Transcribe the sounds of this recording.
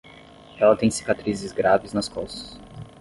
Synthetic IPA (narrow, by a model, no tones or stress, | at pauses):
ɛlɐt̪ẽj̃si̥kat̪ɾizɪzɡɾavɪznɐskɔsɐ̥s